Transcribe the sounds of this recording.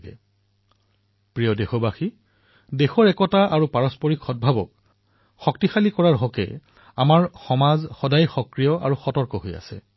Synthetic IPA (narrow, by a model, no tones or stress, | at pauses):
ɡɛ̰ | pɹijɔdexɔbaxi | dexɔɹɛkɔtaʔaɹupaɹɔspɔɹikʰɔt̚bʱabɔ̰k̚ | xɔktixalikɔɹaɹɦɔkɛ̰ | amaɹxɔmazxɔdajxɔkɹijɔʔa̰ɹuxɔtɔɹkɔɦoja̰sɛ̰